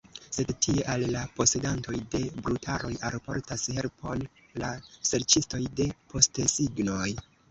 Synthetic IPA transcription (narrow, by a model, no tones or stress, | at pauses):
se̞dtie̞ʔalːapo̞se̞danto̞jde̞bɾutʰa̰ɾo̞jalpo̞̰ɾtashe̞lpʰo̞̰l | lase̞ɾt͡ʃisto̞jde̞pʰo̞stsiɡno̞j